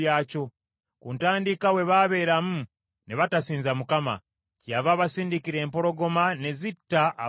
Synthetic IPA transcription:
aːco̞ | kuːntaːndikawe̞βaβe̞ːɾamu | ne̞βatasiːnzamukama̰ | cjavaːβasiːndikiɾe̞ːmpo̞ɾo̞ɡo̞mane̞zitːaʔ

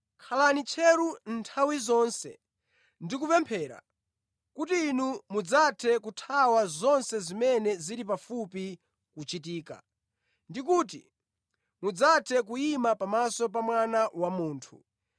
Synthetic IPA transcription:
kʰalanit͡ʃʰɛɾunntʰawizɔːnsɛ̰ | ndikupɛmpʰɛːɾa̰ | kutiːnumud͡zatʰɛkutʰawazɔnsɛzimɛnɛziɾipafupi | kut͡ʃitiːka̰ | ndik̬uːtḭ | mud͡zatʰɛkuimapamasɔp̬amwanawamuːntʰu

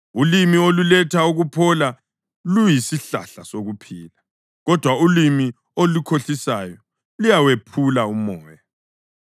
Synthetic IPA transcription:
ulimiolulɛtʰauɣupʰɔla | lujisiɬa̰ɬasoɣupʰiːla | ɣɔd̥ʱwaulimi | olukʰoɬisaːjɔ | lujawepʰulaumɔːja

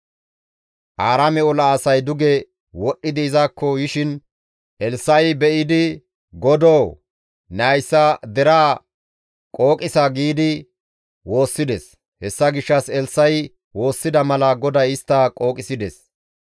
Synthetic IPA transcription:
ʔaːɾɐmɛɔlɐːsɐjd̪ʊɡɛ | wɔɗːɪd̪ɪɪzakːɔjɪʃɪn | ʔɛlsːɐjbɛʔɪd̪ɪ | ɡɔd̪oː | nɐjsːɐd̪ɛɾaː | kʼo̞ːkʼɪsɐɡiːd̪ɪ | wo̞ːsːɪd̪ɛs | hɛsːɐɡɪʃːɐsɛlsːɐj | wo̞ːsːɪd̪ɐmɐlɐɡɔd̪ɐjɪst̪ːɐkʼo̞ːkʼɪsɪd̪ɛs

